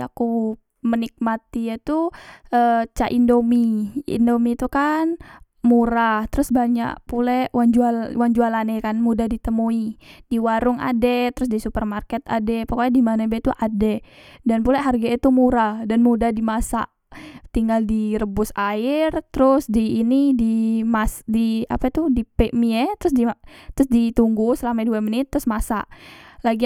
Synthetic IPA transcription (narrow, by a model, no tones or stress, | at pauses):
a̰ku | mənik̚mat̪iat̪uʔət͡ʃaʔindomiḭndomit̪ukan | muɾat̪əɾʊsbaɲa̰ʔpulɛwand͡ʒualwand͡ʒualanekanmudahdit̪əmuid̥iwaɾʊŋa̰dɛt̪əɾʊs̬disupərmarkɛt̪a̰dɛpakaadimanabet̪uʔadɛdanpulaʔɦarɡait̪umuɾadanmudadimasa̰ʔ | t̪iŋɡaldiɾəbʊsaɪrt̪əɾʊsdiːnidimasdia̰pat̪udipeʔmiɛt̪əɾʊs̬dit̪ɾʊsdit̪uŋɡusəlamaduamənɪt̪ːɾʊsmasa̰ʔlaɡi